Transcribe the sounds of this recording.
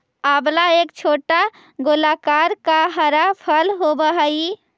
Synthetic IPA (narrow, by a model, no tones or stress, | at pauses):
aːblaeːkt͡ʃʰoːʈa | ɡolakaːɾkaɦəɾapʰəlɦobəɦai